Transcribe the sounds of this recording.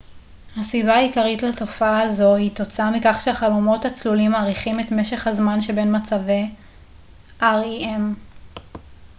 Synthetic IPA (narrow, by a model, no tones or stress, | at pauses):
hasibaːikaʁitlato̞faazo̞hito̞t͡saamikaχʃeaχalomo̞that͡slulimaːʁiχime̞tme̞ʃe̞χhazmanʃe̞be̞nmat͡savej | ʔaʁiem